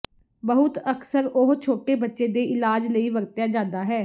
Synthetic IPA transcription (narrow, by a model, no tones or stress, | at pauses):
bəɦʊt̪əksəɾoɦt͡ʃʰoːʈeːbətːʃeːd̪eːʔɪlaːd͡ʒləiːʋəɾt̪jaːd͡ʒãːnd̪aːɦɛː